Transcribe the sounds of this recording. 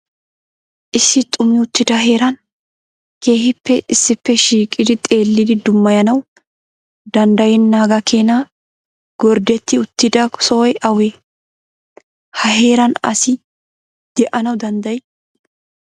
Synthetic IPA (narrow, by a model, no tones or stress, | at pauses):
ʔɪsːɪt̪ʼʊmɪʊt̪ːɪd̪ɐɦe̞ːɾɐn | ke̞ːɦɪpːɛʔɪsːɪpːɛʃiːkʼɪd̪ɪt̪ʼe̞ːlːɪd̪ɪd̪ʊmːɐjɐnɐw | d̪ɐnd̪ɐjɛnːaːɡɐkʰeːna | ɡ̥ɔɾd̪ɛt̪ːɪʊt̪ːɪd̪ɐsɔɔjɐweː | hɐɦe̞ːɾɐnɐ̰sɪ | d̪̥ɛʔɐnɐwd̪ɐnd̪ɐj